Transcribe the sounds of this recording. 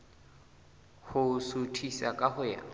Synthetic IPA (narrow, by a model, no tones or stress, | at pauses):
hʊsutʰisakʼahʊja̰